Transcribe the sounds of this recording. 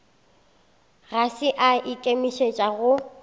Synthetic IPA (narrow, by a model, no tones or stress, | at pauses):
ɣasɪʔaʔɪkʼemiʃet͡ʃʼaɣʊ